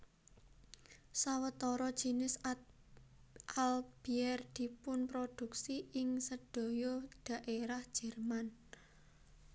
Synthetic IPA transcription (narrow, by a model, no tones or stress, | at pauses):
sawət̪ɔɾɔd̥ʒ̥i̤nɪs | ʔalb̥iɛrd̪̥i̤pʊnpɾod̪̥ṳksiɪŋsəd̥o̤jɔɖ̪̥a̤ʔeɾahd̥ʒ̥ɛ̤rman